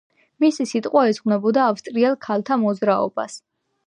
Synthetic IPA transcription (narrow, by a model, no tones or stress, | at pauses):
misisit̪ʼqʼwaɛzʁnɛbɔd̪aːfst̪ʼɾiɛlˠkʰalˠt̪ʰamɔd̪zɾaɔ̰b̥a̰s